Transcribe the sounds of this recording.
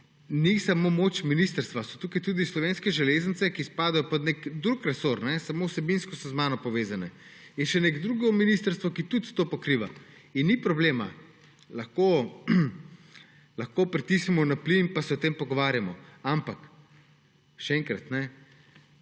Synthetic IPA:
nisamomot͡ʃminist̪əɾst̪ʋasɔ̥t̪uːkajt̪uːd̪islɔʋeːnskɛʒɛleːzəntsɛkispaːd̪ajɔpɔd̪nekd̪ɾukɾɛsoɾnɛsamowsɛbinskɔsɔzmanɔpɔʋeːzanɛ | jɛʃɛneɡd̪ɾuɡɔminist̪əɾst̪ʋɔkit̪ut̪t̪opɔkɾiʋa̰inːipɾɔbleːma | lɐxko | laxkoːpɾit̪isimɔnaplinpasɛɔt̪empɔɡɔʋaːɾjamɔampak | ʃɛɛŋkɾat̪nɛ

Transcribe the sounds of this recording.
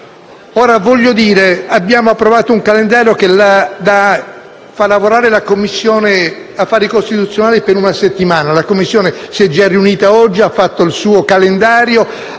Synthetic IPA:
oːɾavɔʎːod̪iːɾeabːjaːmoapːɾovaːt̪ouŋkalend̪aːɾjokelad̪a | falːavoɾaːɾelakomːisːjoːne | afːaːɾikost̪it̪ut̪sːjonaːlipeɾunaset̪ːimaːnalakomːisːjoːnesiɛd͡ʒariuniːt̪aɔd͡ʒːiafːat̪ːoilsuːokalend̪aːɾjo

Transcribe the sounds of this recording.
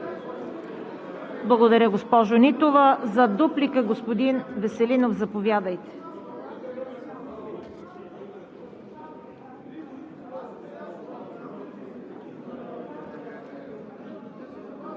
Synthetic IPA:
blˠɐɡod̪ɐɾʲəɡospɔʒonit̪ovəzɐd̪uplikəɡospod̪invɛsɛlinofzɐpovʲjad̪əjt̪ɛ̥

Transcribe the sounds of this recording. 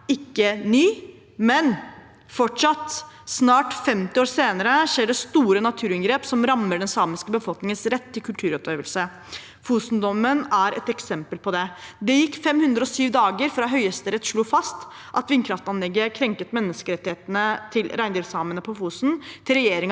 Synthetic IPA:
ɪkːənyː | mɛn | fɔʈʂɑt̪ːsnɑːʈfɛmt̪ɪoːɾseːnəɾəʂeːɖɛst̪uːɾənɑt̪ʰʉːɾɪŋɡɾeːpsɔmɾɑmːəɖɛnsɑːmɪskəbəfɔlknɪŋənsɾɛt̪ʰːɪlkʰʉlt̪ʰʉːɾɔp̚d̪eːʋəlsə | fuːsnd̪ɔmənæɾʔɛ̰t̪ɛksɛmpəlpʰɔd̪ɛd̪ɛjɪkːfɛmhʉnd̪ɾəɔsyːʋd̪ɑːɡəɾfɾɑɦœʏəst̪əɾɛt̪ːʂɭuːfɑst̪ | ʔɑt̪ʋɪnkʰɾɑft̪ɑnlɛɡːəkʰɾɛŋkət̪mɛnːəskəɾɛt̪ːɪheːt̪ənət̪ʰɪlɾæɪnd̪ɪːlsɑːmənəpʰɔfuːsnt̪ʰɪlɾɛjeːɾɪŋ

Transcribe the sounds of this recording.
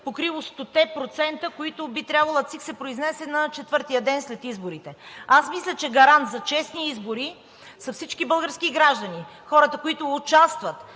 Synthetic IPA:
pokɾivˠost̪ot̪ɛpɾot̪sɛnt̪əkoit̪ʊbit̪ɾʲjabvɐlˠət̪siksɛpɾoiznɛsɛnɐt͡ʃɛt̪vɤɾt̪ijəd̪ɛnslɛt̪izboɾit̪ɛasmislʲət͡ʃɛɡɐɾant̪zɐt͡ʃɛsniizboɾi | sɐfsit͡ʃkibɤlˠɡəɾskiɡɾaʒd̪ənixɔɾət̪əkoit̪ʊːt͡ʃast̪vət̪

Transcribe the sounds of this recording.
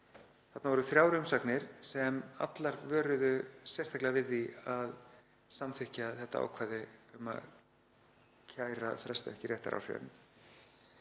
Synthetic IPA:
θat̪navɔɾʏθɾjaːwɾʏmsaknɪɾ̥sɛma̰t̪laɾvœːɾʏðʏsjɛst̪ʰahklɪɣavɪðːiað | samθɪhcaθɛht̪ːaa̰wkʰvaːðɪʏma̰ | cʰaːjɾa̰θɾɛst̪aɛhcɪrjɛht̪a̰ɾʔa̰wr̥œ̰nʏ

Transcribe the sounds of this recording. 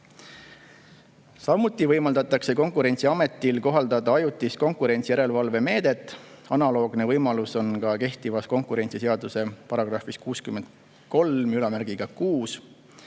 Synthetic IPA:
sɑmut̪ːˑivɤjmɑld̪ɑt̪ːˑɑkse̞ko̞ŋkuɾe̞nʲt̪siɑme̞t̪ːˑilko̞ɦɑld̪ɑd̪ɑɑjut̪ːˑisko̞ŋkuɾe̞nʲt̪sijæɾe̞lvɑlve̞me̞ːd̪̥e̞t̪ːˑɑnɑlo̞ːɡ̥ne̞vɤjmɑluso̞nkɑke̞ht̪ivɑsko̞ŋkˑuɾe̞nʲt̪sise̞ɑd̪use̞pɑɾɑɡ̥rɑfiskuːskymːe̞nd̪ | ko̞lmylɑmæɾɡ̥iɡ̥ɑkuːs

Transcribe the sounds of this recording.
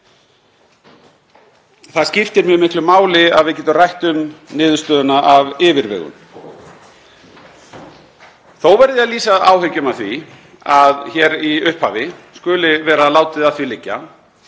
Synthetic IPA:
θaðscɪft̪ɪɾmjœːmɪhklʏmaːwlɪa̰ðvɪðcɛːt̪ʏmrajht̪ʏmnɪːðʏst̪œːðʏnaʔavɪːvɪɾvɛ̰ːɣʏ̰n | θowvɛɾðɪaðliːsaða̰ːwɦʏcʏmawθvi | aðçɛɾiʏhphaːvɪskʏːlɪvɛːɾalaːwt̪ɪðaðθvilɪcːa̰

